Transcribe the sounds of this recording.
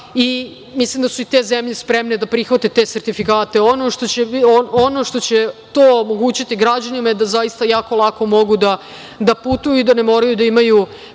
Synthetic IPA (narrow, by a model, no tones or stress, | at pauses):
i | mislimd̪asuit̪e̞ːzemʎespɾemned̪apɾixʋat̪et̪e̞ːseɾt̪ifikaːt̪e̞ono̞ʃʂt̪o̞t͡ɕeoono̞ʂt̪o̞t͡ɕet̪oːomo̞ɡuːt͡ɕit̪iɡɾad͡ʑanimajed̪azajist̪ajaːkolˠako̞mo̞ɡud̪a | d̪aput̪ujuid̪ane̞mo̞ːɾajud̪aimaju